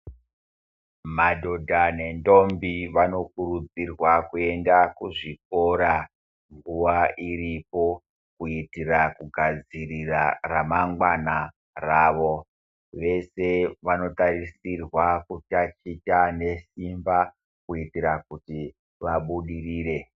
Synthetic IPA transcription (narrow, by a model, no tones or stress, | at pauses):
madʱo̞dʱane̞ndo̞mbiʋano̞kuɾud͡zirwakue̞ndakuʐik̚o̞ɾa | ŋɡuʋaʔiɾipo̞ | kuitirakuɡʱad͡ziriraramaŋɡwana | raːʋo̞ | ʋe̞se̞ʋano̞taɾisirwakutat͡ʃitane̞simba | kuitiɾakuti | ʋaɓuɗiriːɾe̞